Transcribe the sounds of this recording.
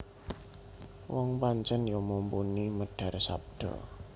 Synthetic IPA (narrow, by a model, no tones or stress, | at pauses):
wɔŋpaɲt͡ʃənjɔmompuniməɖ̥ä̤rsa̰p̚ɖ̥ɔ̰